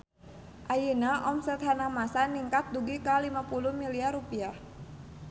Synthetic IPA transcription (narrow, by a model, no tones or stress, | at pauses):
ʔajinaʔɔmsɛt̪ɦanamasaniŋkat̪̚duɡikalimapulʊhmiliarupiah